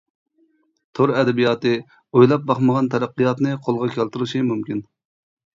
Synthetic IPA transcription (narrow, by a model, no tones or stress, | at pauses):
t̪ʰoɾɛd̪ɛbijɑt̪ɨ | ojlˠɑp̚bɑχməʁɑnt̪ʰɛɾæqːɨjɑt̪nɨqʰolˠʁɑkʲʰɛlt̪ɨɾɨʃimumkʲin